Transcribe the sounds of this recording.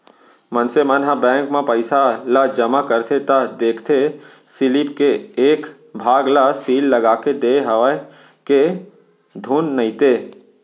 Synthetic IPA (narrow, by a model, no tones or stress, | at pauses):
mənsemənɦabɛ̃ːŋkmãpəɪsalad͡ʒəmakəɾt̪ʰet̪ad̪eːkʰt̪ʰe | sɪlipkeːk | bʱaːɡlasiːlːəɡaːked̪eɦəʋa | ke | d̪ʱuːnːəɪ̃t̪e